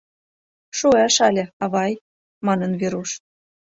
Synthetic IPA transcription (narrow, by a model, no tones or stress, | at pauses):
ʃuæʃɑlʲĕɑβɑj | mɑnɤ̆nβeɾuʃ